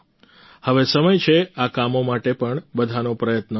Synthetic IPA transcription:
həʋesəməjt͡ʃʰeakamomaʈepəɳbəd̪ʱanopɾəjət̪nə

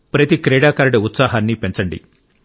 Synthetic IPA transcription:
pɾɐt̪ikɾɛːɽaːkɐɾɐɽɐut̪saːɦɐːnːipent͡ʃɐɳɖḭ

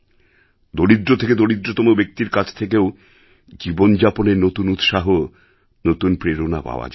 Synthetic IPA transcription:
d̪olid̪ɾot̪ʰeked̪oɽid̪ɾot̪omobek̚t̪iɾkat͡ɕʰt̪ʰek̬ew | d͡ʑibond͡ʑaponeɾnot̪unut̪ʃaɦo | not̪unpɾeɾona̰pa̰oa̰d͡ʑ

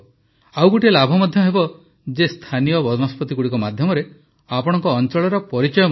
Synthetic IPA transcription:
awɡoʈielabʱɔmɔd̪ʱjɔɦebɔ | d͡ʒest̪ʰanijɔbɔd͡ʒɔnɔspɔt̪iɡuɽikɔmad̪ʱjɔmɔɾe | apɔɽ̃ɔŋkɔːnt͡ʃɔɭɔɾɔpɔɾit͡ʃɔjɔ

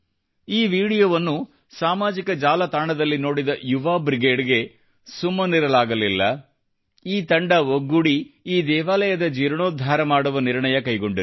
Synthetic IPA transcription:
iːʋiːɽijoːʋɐnːu | saːmaːd͡ʒikɐd͡ʒaːlɐt̪aːɳɐd̪ɐlːino̞ːɽid̪ɐjuʋaːbɾiɡeːɖɡe̞ | sumːɐniɾɐlaːɡɐlilːɐ | iːt̪ɐɳɖɐʋoɡːuɽiiːd̪ɛːʋaːlɐjɐd̪ɐd͡ʒiːɾɳoːd̪ʱːaːɾɐmaːɽuʋɐniɾɳɐjɐkɐjɡo̞ɳɖiɾ

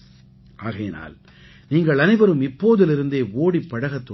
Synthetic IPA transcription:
ʔaːɣɐjɪna̰ːl | niːŋɡɐɭɐnɪbɐɾɯmɪpːoːðɪlɪɾɯnd̪eːoːɽipːɐɽɐɣɐt̪ːo

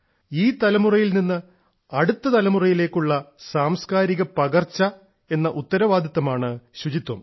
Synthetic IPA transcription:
iːt̪ɐlɐmurɐjilninːɨ | ɐɽut̪ːɐt̪ɐlɐmurɐjile̞ːkːuɭːɐsaːmskaːɾiɣɐpɐɣɐrt͡ɕːɐ | e̞nːɐʔut̪ːɐɾɐʋaːd̪it̪ːɐmaːɳɨɕud͡ʑit̪ːwɐm

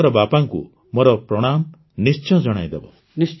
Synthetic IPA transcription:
ɾɔbapaŋkṵ | mɔɾɔpɾɔɽ̃am | nist͡ʃɔ̃d͡ʒɔɽ̃a̰jd̪ebɔ̰ | i

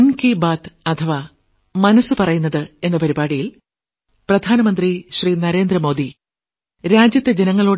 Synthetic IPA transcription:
nkiːbaːt̪ɐt̪ʰɐʋaː | mɐnɐsːɨpɐrɐjunːɐðɨe̞nːɐpɐɾibaːɽijil | prɐd̪ʱaːnɐmɐnd̪riɕriːnɐɾe̞ːnd̪rɐmo̞ːd̪i | ɾaːd͡ʑjɐt̪ːed͡ʑe̞nɐŋːɐɭoː

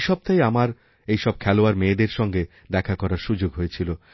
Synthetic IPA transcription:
ʃɔb̚t̪ajamaɾ | ejʃɔb̚kʰɛloaɾmeːd̪eɾʃɔŋɡe | d̪ɛkʰakɔɾaɾʃud͡ʑoɡɦojet͡ɕʰilo

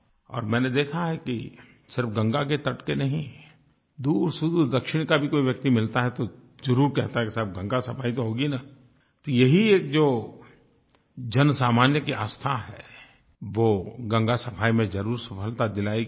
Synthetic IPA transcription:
ɔ̰ːɾmɛ̃ːned̪eːkʰaɦɛki | sɪɾfɡɐ̃ŋɡak̬et̪ɐʈkenɐɦĩ | d̪uːɾsud̪ud̪ɐkʃɪɽ̃kabʱikoːiʋjɐk̚t̪imɪlt̪aɦɛt̪o | zɐɾuːɾkɛɦt̪aɦɛkisɪɾpɡɐ̃ŋɡasɐpʰaːit̪oɦoːɡina | t̪ojɐɦieːk̚d͡ʒoː | d͡ʒɐnsaːmaːnjəkia̰ːst̪ʰaɦɛ̰ː | ʋoɡɐ̃ŋɡasɐpʰaːimẽd͡ʒɐɾuːɾsɐpʰəlt̪ad̪ɪlaːi

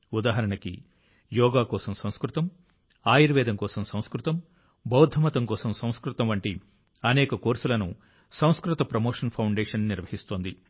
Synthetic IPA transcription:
ud̪aːɦɐɾɐɳɐkḭ | jɔːɡaːkɔːsɐmsɐ̃w̃skɾut̪ɐm | aːjiɾʋɛːd̪ɐmkɔːsɐmsɐ̃w̃skɾut̪ɐm | bɐwd̪ʱɐmɐt̪ɐŋkɔːsɐmsɐ̃w̃skɾut̪ɐmʋɐɳʈi | ɐnɛːkɐkoːɾsulɐnṵ | sɐ̃w̃skɾut̪ɐpɾɐmoːʂɐnpʰɐwɳɖɛːʂɐnniɾʋɐɦist̪oːnd̪i

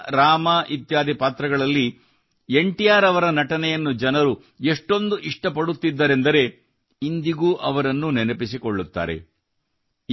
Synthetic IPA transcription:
ɾaːmɐʔit̪jaːd̪ʱipaːt̪ɾɐɡɐɭɐlːi | eɳʈijaːɾɐʋɐɾɐnɐʈɐnɛjɐnːud͡ʒɐnɐɾu | eʂʈo̞nd̪uʔiʂʈɐpɐɽut̪ːid̪ːɐɾe̞nd̪ɐɾe̞ | ind̪iɡuːʔɐʋɐɾɐnːunɛnɐpisikoɭːut̪ːa̰ːɾḛ

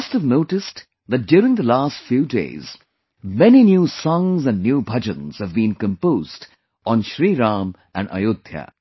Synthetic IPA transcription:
ʌstəvnoʊʈɨst | ðɨt̚d̥jʊːɾɪ̃ŋðəlaːstfjuːdḛɪz̥ | mɛninjusɔ̃ŋzə̃nːjuːbʱʌd͡ʒə̃nz̥hɨvbĩnkə̃mpoːzd | ʔɔ̃n̩ʃɾiːɾãːm | ʔæ̰̃nɖə̰jod̪jə̰

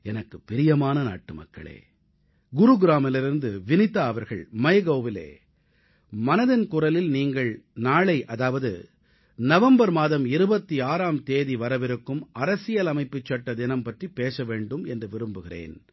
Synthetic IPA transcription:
ɛnɐkːɯpːɪɾɪjɐmaːnɐna̰ːʈːɯmɐ̰kːɐ̰ɭḛː | ɡʊɾuɡɪɾaːmɪlɪɾɯnd̪ɯʋɪnɪt̪ːɐːʋɐɾɣɐ̰ɭmɐjɣɐːʋɪlḛː | mɐnɐðɪnkʊrɐlɪlniːŋɡɐɭnaːɭɐɪʔɐðaːʋɐðɯ | nɐʋɐmbɐɾmaːðɐmɪɾɯbɐt̪ːiaːɾaːmt̪eːðiʋɐɾɐʋɪɾɯkːɯmɐɾɐsɪjɐlɐmɐɪpːɯt͡ʃːɐʈːɐd̪ɪnɐmpɐʈripeːsɐʋeːɳɖɯmɛndrɯʋɪɾɯmbɯɣɪrḛːn

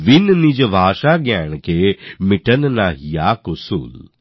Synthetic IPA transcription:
ʋɪnnid͡ʒbʱaːʃaɡjaːɽ̃kʰeːmɪʈənnaːɦijaːkʊsṵːl

